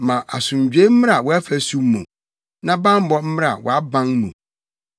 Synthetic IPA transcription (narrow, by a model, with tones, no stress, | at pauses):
mã˨ʔa˨sʊ̃˨ɲ˨d͡ʑᶣe˦m̩˦mɪ̃˦a˨wɔ˦æ˦fæ˨su˦m˦mṵ̃˨ | nã˦bã˦m˦bɔ˦m̩˦mɪ̃˦ɾa˨wɔ̰˨a˦bã˦ŋnṵ̃˨